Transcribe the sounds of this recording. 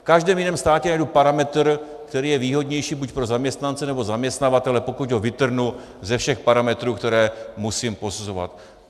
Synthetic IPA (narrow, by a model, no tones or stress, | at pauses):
fkaʒdɛːmjɪnɛːmst̪aːcɛnajdupaɾamɛt̪r | kt̪ɛɾiːjɛviːɦo̞dɲɛjʃiːbucpɾo̞zamɲɛst̪nant͡sɛnɛbo̞zamɲɛst̪navat̪ɛlɛpo̞kuɟɦovɪt̪r̩ɦnu | zɛfʃɛxpaɾamɛt̪ɾuːkt̪ɛɾɛːmusiːmpo̞suzo̞va̰t̪